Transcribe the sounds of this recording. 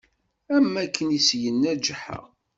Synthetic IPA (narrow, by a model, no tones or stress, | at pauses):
æmːækːənisjənːæd͡ʒħə̰